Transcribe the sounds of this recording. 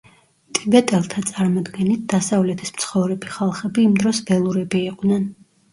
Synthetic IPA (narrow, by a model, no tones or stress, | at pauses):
t̪ʼibɛt̪ʼɛlˠt̪ʰat̪sʼaɾmɔd̪ɡɛnit̪̚d̪̥asavlɛt̪ʰismt̪sʰχɔvɾɛbiχalˠχɛbiːmd̪ɾɔsbɛlˠuɾɛbiːqʼnɛn